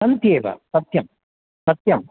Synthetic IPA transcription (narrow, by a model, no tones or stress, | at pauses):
sɐnt̪jeːʋɐ̰sɐt̪jɐm | sɐt̪jɐm